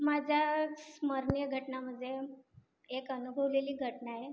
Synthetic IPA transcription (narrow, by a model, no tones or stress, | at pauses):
mad͡ʑʱjasməɾɳjəɡʱəʈnaməd̪ʱje | ekənubʱəʋleliːɡʱəʈnaje